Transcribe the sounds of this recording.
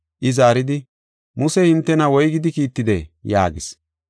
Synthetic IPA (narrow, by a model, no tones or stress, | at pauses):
ʔɪzaːɾɪd̪ɪ | mʊsɛhɪnt̪ːɛnɐwɔjɡɪd̪ɪkiːt̪ːɪd̪ɛja̰ːɡɪs